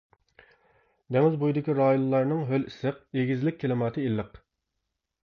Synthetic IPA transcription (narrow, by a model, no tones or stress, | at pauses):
d̪ɛŋɪzbujd̪ɪkʲiɾɑːjonlˠɑɾnɨŋɦølisɨq̚eɡʲizlɪk̚ʲʰːelɪmɑːt̪ʰɨilːəq